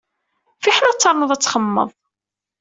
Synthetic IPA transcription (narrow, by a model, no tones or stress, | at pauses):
fiħnæt͡sːɑɾˤnəðˤæt͡sːχəmːə̰ðˤ